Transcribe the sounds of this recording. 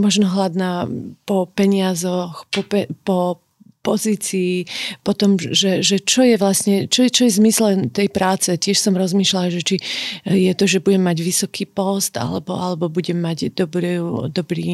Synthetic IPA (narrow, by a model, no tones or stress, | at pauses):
mɔʒnɔɦlad̪naːpɔpɛɲɪazɔxpɔpɛpɔ | pɔziːt͡siːpɔt̪ɔmʒɛʒɛt͡ʃɔjɛʋlasɲɛt͡ʃɔɛt͡ʃɔjɛzmislɛt̪ɛjpɾaːt͡sɛcɪɛʃsɔmɾɔzmiːʃlalʒɛt͡ʃijɛt̪ɔʒɛbuɟɛmːaɟʋisɔkiːpɔst̪a̰lɛbɔalɛbɔbuɟɛmːaɟd̪ɔbɾiud̪ɔbɾḭː